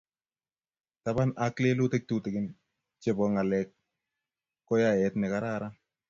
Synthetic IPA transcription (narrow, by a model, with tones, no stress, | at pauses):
ta˨ba˦nakle˦lu˦te˦k̚tu˦tɪ˨kɪ˦n | t͡ʃe˦bɔ˨ŋa˨lɛk̚ː | ɔ˦ja˦ɛ˨tnɛ˨ka˨ɾa˦ɾan